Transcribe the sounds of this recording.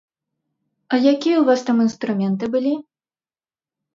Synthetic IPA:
ɐjakʲijɐwuvast̪aminst̪ɾumʲɛnt̪ɨbɨlʲi

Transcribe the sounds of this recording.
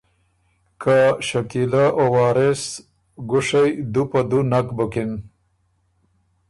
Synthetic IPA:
kʰaʃakilaʔowɑːɾes | ɡʊʂajd̪upad̪unakbukɪn

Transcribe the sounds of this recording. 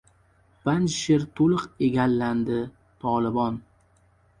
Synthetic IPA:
b̥and͡ʒʃɪɾt̪ʰolˠɨqeɡʲalːand̪ɪ | t̪ʰɒlˠɪbɒn

